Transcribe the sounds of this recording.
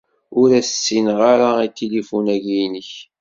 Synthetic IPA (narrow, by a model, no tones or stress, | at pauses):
ʊɾæssːinʁaɾait̪ːilifunæʝinəç